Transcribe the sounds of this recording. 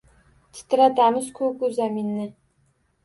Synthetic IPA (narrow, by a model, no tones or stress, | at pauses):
t̪ʰɪ̥t̪ɪɾat̪amɪzkʰɵkʊzaminːɪ